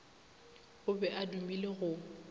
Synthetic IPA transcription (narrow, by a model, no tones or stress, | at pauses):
ʊbɛʔadumileɣʊ